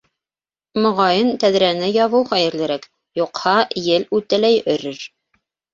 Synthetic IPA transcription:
mŏʁɑjɤnt̪æðɾænɘjɑβɤwχæjɘ̆ɾlɘ̆ɾæk | juqhɑjɘlʉt̪ælæjɵ̆ɾɘɾ

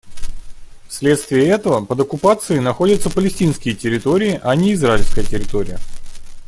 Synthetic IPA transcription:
fsʲlʲe̞t̪st̪vʲɪːɛt̪əvəpəd̪əkʊpat̪sɨɪnɐxo̞dʲət̪səpəlʲɪsʲtʲinskʲɪjətʲɪɾʲɪt̪o̞ɾʲɪɪʔɐnʲeɪzraɪlʲskəjətʲɪɾʲɪt̪o̞ɾʲɪ̰jə

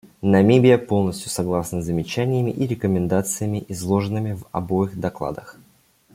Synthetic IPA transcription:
nɐmʲebʲɪjəpo̞lˠnəsʲt̪ʲjʊsɐɡlˠasnəzəmʲɪt͡ɕænʲɪjəmʲɪʔiɾʲɪkəmʲɪnd̪at̪sɨjəmʲɪʔɪzlˠo̞ʐɨnɨmʲɪvɐ̰bo̞ɪxd̪ɐklˠa̰d̪əx

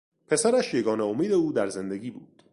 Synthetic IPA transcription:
pʰe̞sæɾæʃje̞ɡɒːneo̞miːd̪e̞uːd̪æɾze̞nd̪eɡiːbuːd̪̥

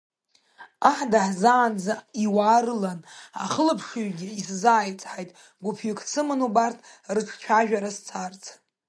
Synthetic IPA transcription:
aħdaħzaːnd͡zaiwaːɾɨlana̰χəlɨpʰʂɨɥɡʲɪiszaːjt͡sʼħajtʼ | ɡʷʊpʰɥɪkʰʼsɨmɨnubartʰʼrɨʈ͡ʂʰt͡ʃʷʰaʒᶣaɾast͡sʰart͡sʰʼ

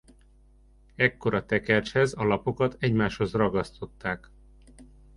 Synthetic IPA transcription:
ɛkːo̞ɾɒt̪ɛkɛrt͡ʃhɛzɒlɒpo̞kɒt̪ɛɟmaːʃho̞zrɒɡɒst̪o̞t̪ːaːk

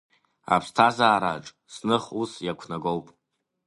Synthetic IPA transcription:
a̰pʰstʰazaːɾa̰ʈ͡ʂʼ | snɨχusjakʷʰnaɡo̞wpʼ

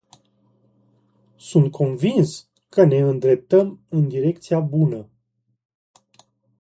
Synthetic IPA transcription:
sunt̪̚kʰo̞nvins | kəne̞ɨnd̪ɾe̞p̚t̪əmɨnd̪iɾe̞k̚t̪sijabunə

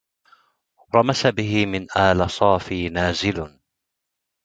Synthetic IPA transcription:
ɾˤɑmasabɪɦɪmɪnʔaːlasˤɑːfiːnaːzɪl

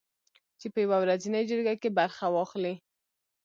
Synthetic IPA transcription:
t͡ʃepəjawawɾazinəjd͡ʒəɾɡakebaɾxawɑxli

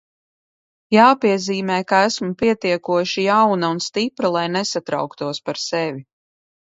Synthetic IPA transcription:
jaːpiɛziːmɛjkaæsmupiɛt̪iɛkuɔʃijawnaunst̪ipɾalˠajnesat̪ɾa̰wkt̪uɔspaɾsɛvʲi

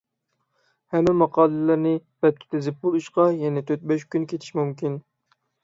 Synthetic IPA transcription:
hɛmːɪmɑqʰɑːlˠɪlɪɾnɪbɛt̪̚ːʰʲɪ̥t̪ʰɪzɪp̚bolˠuʃqɑjɛnɛt̪ʰøt̪̚bɛʃkʲynkʲʰet̪ʰɪ̥ʃimumkʲin

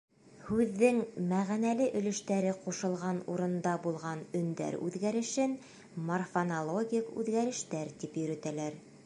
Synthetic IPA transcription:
hʉðːɘŋmæʁænælɘʔɵ̆lɵ̆ʃt̪æɾɘquʃɤ̆lˠʁɑnuɾɤ̆nd̪ɑbulˠʁɑnɵ̆nd̪æ̰ɾʉ̰ðɡæɾɘ̆ʃɘn | morfonolˠoɡʲikʉ̰ðɡæɾɘ̆ʃt̪æɾt̪ipjɵ̆ɾɵ̆t̪ælæɾ

